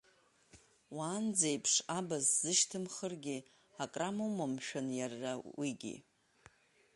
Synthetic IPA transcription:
waːnd͡zejpʰʂabazzɨʃtʰɨmχərɡʲi | akʼramomamʃᶣanjarːawiɡʲḭ

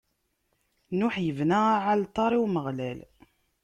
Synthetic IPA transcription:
nʊħjəvnæaʕalt̪ˤːɑɾˤiwməʁlæl

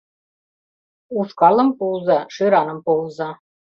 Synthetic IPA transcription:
uʃkɑlɤ̆mpulzɑʂɯɾɑnɤ̆mpolˠzɑ

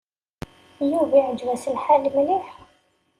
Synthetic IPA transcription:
juviʕəd͡ʒwæsəlħalmliħ

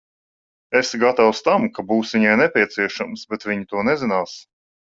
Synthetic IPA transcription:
esɡat̪awst̪amkabuːsvʲiɲajnɛpʲiɛt̪siɛʃamsbɛt̪vʲiɲit̪uɔnɛzɪnaːs

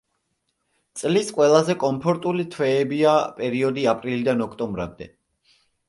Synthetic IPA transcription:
t̪sʼlisqʼwɛlˠazɛkʼɔmpʰɔɾt̪ʼulit̪ʰwɛːbiapʼɛɾiɔd̪iapʼɾilid̪anɔkʰt̪ʼɔmbɾa̰md̪ɛ̰

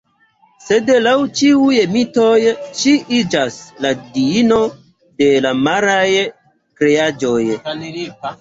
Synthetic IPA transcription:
se̞dlawt͡ʃiuje̞mito̞jʃiʔid͡ʒasladiino̞ | de̞lamaɾaj | kɾead͡ʒo̞j

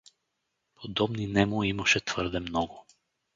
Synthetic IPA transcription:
pʰod̪ɔbninɛmoimaʃɛt̪v̥ɤɾd̪ɛmnɔɡʊ

